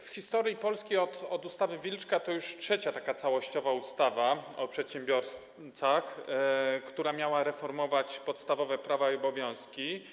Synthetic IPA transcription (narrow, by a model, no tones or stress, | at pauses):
fxʲist̪ɔɾʲjipɔlskʲejɔt̪ɔd̪ust̪avɘvʲilt͡ʂkat̪ɔjuʂtʂɛt͡ɕat̪akat̪sawɔɕt͡ɕɔvaust̪avaɔpʂɛt̪ɕɛmbʲjɔɾs | t̪sax | kt̪uɾamʲjawaɾɛfɔɾmɔvat͡ɕpɔt̪st̪avɔvɛpɾavaiɔbɔvʲjɔ̃w̃skʲi